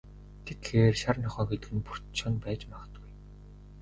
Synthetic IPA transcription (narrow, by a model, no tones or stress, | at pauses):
t̪ʰet̪xeːrʃarnʰɔχœːɡet̪ɘ̆ɣɘ̆npur̥t̪t͡ɕʰɔnpæːt͡ɕmaʁə̆t̪ɡuj